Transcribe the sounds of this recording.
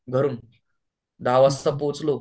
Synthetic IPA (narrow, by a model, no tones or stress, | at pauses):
ɡʱəɾuːn | d̪aʋəst̪əpot͡slo